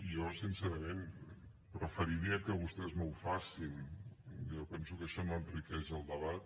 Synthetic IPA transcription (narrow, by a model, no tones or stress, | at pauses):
ijosinsɛɾəmen | prəfəɾiɾiəkəβust̪ɛzməwfasin | jopɛnsukəʃɔnoənt̪rikɛzəlˠd̪əβat̪̚